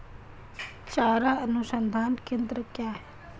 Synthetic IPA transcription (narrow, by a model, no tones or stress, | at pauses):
t͡ʃaːɾaənʊsənd̪ʱaːnkẽnd̪ɾəkjaːɦɛ